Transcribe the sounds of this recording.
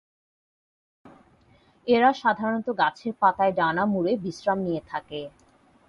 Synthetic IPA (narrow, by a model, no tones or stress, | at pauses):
eɾaʃad̪ʱaɾont̪oɡat͡ɕʰeɾpat̪aeɖanamuɾebisɾamnijet̪ʰake